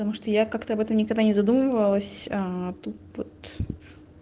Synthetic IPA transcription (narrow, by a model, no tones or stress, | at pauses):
t̪ɐmuʂt̪ojakakt̪əɐbɛt̪əmnʲɪkɐɡd̪anʲɪzɐd̪uməvəlˠəsʲat̪ut̪vot̪